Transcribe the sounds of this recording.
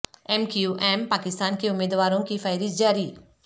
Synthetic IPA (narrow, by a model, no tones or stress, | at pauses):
ɛmkiuʔɛːmpaːkɪst̪aːnkeʊmeːd̪ʋaːɾõkifʰaːɪɾid͡ʒaːɾi